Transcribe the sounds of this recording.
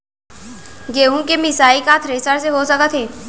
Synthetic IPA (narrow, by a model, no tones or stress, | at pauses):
ɡeːɦũkemɪsaːikat̪ʰɾeːsəɾseɦosəkət̪ʰɦẽː